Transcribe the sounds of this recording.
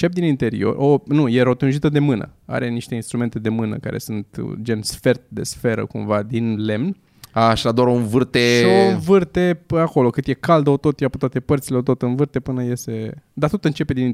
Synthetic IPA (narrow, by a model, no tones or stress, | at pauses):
t͡ʃep̚d̪inint̪e̞ɾḭo̞̰ro̞nuje̞ɾo̞t̪unʒit̪əd̪e̞mɨnə̰a̰ɾeniʃt̪e̞inst̪ɾume̞nt̪e̞d̪e̞mɨnə̰ka̰ɾe̞̰sunt̪d͡ʒe̞nsfe̞rt̪̚d̪e̞̰sfe̞ɾə̰kumvad̪inle̞mn | aʃad̪oaɾounvɨrt̪eʃionvɨrt̪e̞ako̞lo̞kɨt̪je̞kald̪əot̪o̞t̪japət̪wat̪e̞pərt̪sileot̪o̞t̪ɨnvɨrt̪e̞pɨnəje̞se̞d̪at̪ot̪ɨnt͡ʃe̞pe̞d̪ini